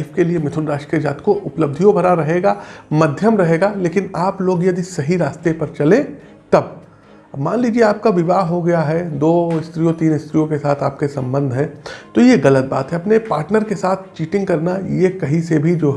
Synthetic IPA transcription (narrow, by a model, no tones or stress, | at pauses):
fkeliemɪt̪ʰʊnɾaːʃʈkiəd͡ʒaːt̪koʔʊpləb̚d̪ʱijõbʱɐɾaɾɐɦeːɡaːmɐd̪ʱjəmɾɐɦeːɡaːleːkɪnaːploːɡjɐd̪isɐɦiɾaːst̪epɐɾt͡ʃɐlẽ | t̪ɐb̚ | maːnliːd͡ʒieaːp̚kaʋɪʋaːɦɦoɡɐjaɦɛd̪oːɪst̪ɾijõt̪iːnɪst̪ɾijõkesaːt̪ʰaːp̚kesɐ̃mbə̃nd̪ʱɦɛ̃ːt̪ojeɣɐlət̪̚ba̰ːt̪ɦɛɐpnepaːɾʈnəɾkesaːt̪ʰt͡ʃiːʈɪ̃ŋɡ̚kɐɾnajekɐɦĩsebʱid͡ʒoːɦ